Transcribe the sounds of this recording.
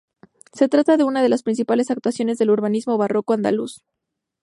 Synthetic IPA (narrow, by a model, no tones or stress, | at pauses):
se̞t̪ɾat̪aðe̞unað̞e̞laspɾins̬ipale̞sak̚t̪wasjo̞ne̞zðe̞luɾβanizmo̞βaro̞ko̞and̪a̰lṵs